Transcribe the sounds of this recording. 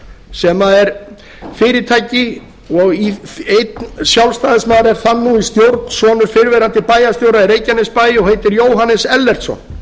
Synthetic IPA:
sɛmaɛɾ̥ | fɪːɾɪt̪ʰaːjcɪ | ɔɣiejt̪nsjawlst̪aːðɪsmaːðɾɛɾ̥θanːuist̪jowɾt̪n̥sɔːnʏɾ̥fɪɾvɛːɾant̪ɪpaːjast̪jowɾaðɛɾejcanɛspaːjɪɔɣhejt̪ɪɾjoːwɦanɛsɛlːɛr̥t̪sɔ̰n

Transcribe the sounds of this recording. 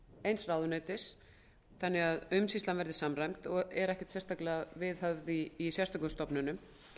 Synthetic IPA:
ejnsraːwðʏnœɥt̪ɪɾ̥ | θanːɪɣaðʏmsist̪anvɛɾðɪsamrajmt̪ɔɣɛɾɛhcɪ̥t̪sɛst̪aklɪɣavɪðhœvðiːsjɛst̪ɔkʏst̪ɔpnʏnʏm

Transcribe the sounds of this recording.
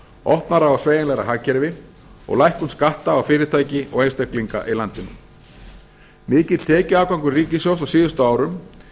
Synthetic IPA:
ɔhpnaɾaawsveːjɛnlɛɣɾa̰ɦaːcɛɾvɪ | ɔ̰ɣlajhkʏnskaht̪aːwfɪːɾɪ̥t̪ʰaːjcɪɔɣejnst̪ɛhkliŋka̰ʔilant̪ɪn | mɪːcɪt̪l̥t̪ʰɛːcʏaːwkawŋkʏɾriːcɪsjowsawsiːðʏst̪ʏaːwɾʏm

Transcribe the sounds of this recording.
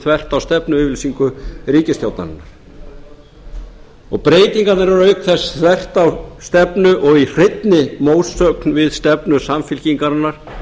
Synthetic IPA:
θvɛr̥t̪awst̪ɛpnʏʏvɪlsiŋkʏɾiːcɪst̪jawt̪na̰ɾnːaɾ̥ | ɔɣpɾeːjt̪iŋkat̪naɾvaɾœɥkθɛsθvɛr̥t̪awst̪ɛpnʏʔɔɣir̥ɪt̪nɪmoːwsœknvɪðst̪ɛpnʏsamfɪlciŋkaɾnːaɾ̥

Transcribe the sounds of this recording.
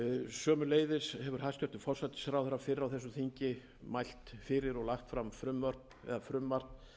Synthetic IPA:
sœːmʏleːjðɪshɛvʏɾ̥hastcœ̥t̪ʏ̥fɔr̥sat̪ɪ̥skɾawθɛɾːafɪɾɪɾawθɛsːʏθiɲcɪ | majl̥t̪fɪɾɪɾɔɣlaxt̪fɾamfɾʏmvœr̥t̪ | ɛ̰ðafɾʏmvar̥t̪n

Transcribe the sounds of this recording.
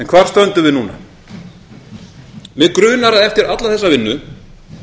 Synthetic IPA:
ɛnkʰvaːɾ̥st̪œnt̪ʏvɪnuːna̰ | mɛðkɾʏːnaɾaðɛft̪ɪɾat̪laθɛsːavɪnːʏ

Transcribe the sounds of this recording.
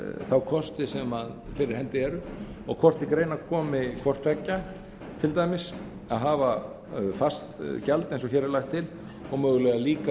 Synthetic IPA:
θawkʰɔst̪ɪsɛmaðfɪɾɪɾ̥hɛnt̪ɪɛɾʏɔɣkʰɔr̥t̪ɪkɾeːjnakʰɔːmɪkʰvɔr̥t̪vɛcːa | t̪ʰɪlt̪aːjmɪs | aðɦaːva | fast̪calt̪ejnsɔçɛːɾɛlajxt̪ʰːɪl | ɔɣmœːɣʏlɛːɣaliːka

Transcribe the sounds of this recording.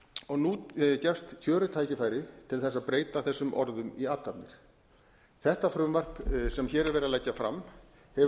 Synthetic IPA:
ɔɣnucɛfst̪ːʰjœːɾʏt̪ʰaːjcɪfaːjɾɪt̪ʰɪlθɛsːaðpɾeːjt̪aθɛsːʏmʔɔ̰ɾðʏmiaːt̪ːapnɪɾ̥ | θɛht̪afɾʏmvar̥psɛmçɛːɾɛɾvɛːɾɪalɛcːafɾa̰mː | hɛ

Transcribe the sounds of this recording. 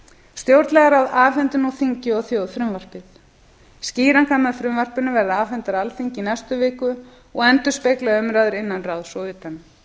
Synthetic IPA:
st̪jowɾt̪lɛɣaɾawðaːfɛnt̪ʏnuθiɲcɪɔðθjowðfɾʏmvar̥pɪθ | sciːɾaŋkʰaːmaðfɾʏmvar̥pɪnʏvɛɾðaaːfɛnt̪aɾalfiɲcɪinɛst̪ʏvɪːkʏ | ɔɣɛnt̪ʏ̥speːjklaʏmɾaːðʏɾɪnːanraːðsɔwðɪːt̪an

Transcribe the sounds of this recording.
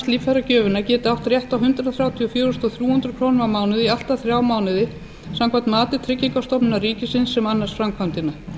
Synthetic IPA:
st̪liːffaɾacœːvʏnacɛːt̪ɪaft̪rjɛht̪awɦʏnt̪ɾʏðaθɾjawt̪ʰiɔfjœːɾʏst̪ɔθjuːhʏnt̪ɾʏkʰɾownmamaːwnɪðial̥t̪aθɾjaːwmaːwnɪðɪ | samkʰvat̪maːt̪ɪt̪ʰɾɪcːiŋkast̪ɔpnɪnariːcɪsɪnsːɛmanːasfɾamkʰvawnt̪ɪna

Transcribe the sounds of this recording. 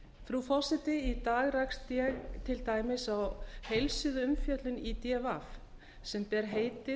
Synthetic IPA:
fɾufɔsɪt̪ɪit̪aːɣɾakst̪jɛɣt̪ʰɪlt̪aːjmɪsawhejlsʏðʏmfjœt̪lʏnit̪ɛvaf | sɛmpɛɾɦeːjt̪ɪ

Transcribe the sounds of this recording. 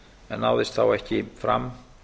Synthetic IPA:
ɛnawðɪst̪θawɛhcɪfɾa̰m

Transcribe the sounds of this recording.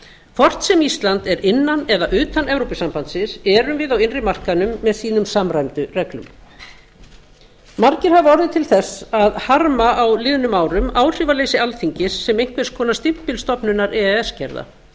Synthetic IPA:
kʰfɔr̥t̪sɛmist̪lant̪ɛɾɪnːanɛðaʔʏːt̪anɛvɾowpɪsampant̪sɪnsɛɾʏmvɪðawɪnrɪmar̥kanʏmːɛðsiːnʏmsamɾajmt̪ʏrɛklʏ̰m | marcɪɾ̥havɔɾðɪt̪ʰɪlθɛsaðhaɾmaʔawlɪːðʏnʏmaːwɾʏmaːwr̥ɪvaleːjsɪalθiɲcɪsːɛmejŋ̥k̪vɛɾ̥skʰɔːnast̪ɪm̥pɪlst̪ɔpnʏnaɾɛːɛɛscɛ̰ɾða̰

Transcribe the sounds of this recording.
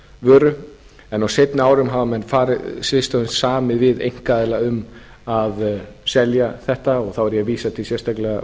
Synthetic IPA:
vœːɾʏ | ɛnawsejt̪nɪaːwɾʏmɦavamɛnːfaːɾɪsvɪst̪awɪnssaːmɪðvɪðḛjŋ̥kaðɪlaʏm | aðsɛljaθɛht̪aɔɣθawɛɾjɛviːsat̪ʰɪlsjɛɾ̥st̪aklɛɣa

